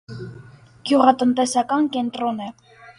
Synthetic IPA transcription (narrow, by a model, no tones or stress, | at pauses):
ɡ̥juʁɑt̪ənt̪ɛsɑkɑnkɛnt̪ɾɔnɛ